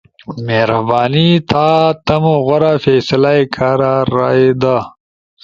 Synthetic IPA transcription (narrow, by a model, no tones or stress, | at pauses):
meɾɐbaːnit̪ʰaːt̪ɐmoɣɐɾafeːsɐlajkʰaːɾaːɾaːid̪a